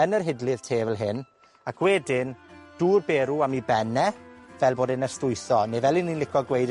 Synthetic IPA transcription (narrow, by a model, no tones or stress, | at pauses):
ənərɦɪdlɨð̥tʰeːvɛlˠɦɪn | akʰwɛdɪnd̥uːrbeːɾuamibɛnɛvɛlˠboːdɪnəstʊjθɔnevɛlˠɪnːinlɪkʰɔɡwejd